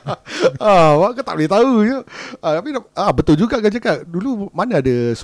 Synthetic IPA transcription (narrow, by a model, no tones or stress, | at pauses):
awakət̪a̰ʔ̚lɪt̪aujuat̪apiʔabət̪ʊld͡ʒuɡaʔɡad͡ʒakaʔdulumanaːdas